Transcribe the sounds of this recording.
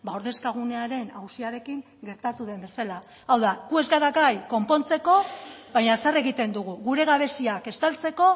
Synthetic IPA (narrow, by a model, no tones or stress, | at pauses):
bao̞ɾðe̞skaɣ̞une̞aɾe̞nawsiaɾe̞kiŋ | ɡe̞ɾt̪at̪uðe̞mbe̞salaː | wðaɣue̞zɣaɾaɣajko̞mpo̞nt͡se̞ko̞βaɲasare̞ɣit̪e̞nd̪uɣ̞uɣuɾe̞ɣaβ̞e̞siake̞st̪alt͡se̞ko̞